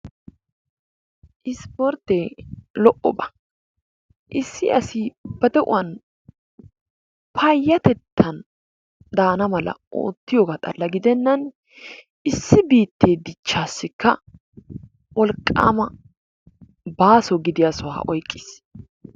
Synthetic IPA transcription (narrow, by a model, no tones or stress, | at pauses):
ʔɪspɔɾt̪ːeːlɔʔɔbɐ̥ | ʔɪsːɪʔɐsibɐd̪ɛʔʊ̰wɐn | pʰɐjːɐt̪ɛt̪ʰːɐn | d̪aːnɐmɐlɐ̰ʔo̰ːt̪ːɪjoːɡat̪ʼɐ̰lːɐɡɪd̪ɛnːɐn | ʔɪsːɪbiːt̪ːe̞ːd̪ɪt͡ʃːaːsːɪkːɐ | wʔɔlkʼːa̰ːmɐ | baːsɔɡɪd̪ɪjɐsʊwa̰ːʔɔjkʼːɪːs